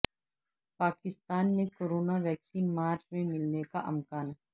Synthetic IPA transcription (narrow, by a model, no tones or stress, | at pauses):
paːkɪst̪aːnmẽkoːɾoːnaʋɛːksiːnmaːɾt͡ʃmẽmɪlnekaʔɐmkaːn